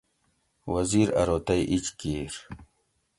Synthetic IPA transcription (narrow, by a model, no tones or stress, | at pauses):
wɐziɾɐ̰ɾoːt̪ɐjʔit͡ɕkiɾ